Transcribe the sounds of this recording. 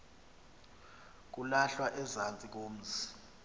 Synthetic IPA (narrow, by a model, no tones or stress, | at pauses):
k̬ulaɬwaʔɛzant͡sʼik̬oːm̩ːzi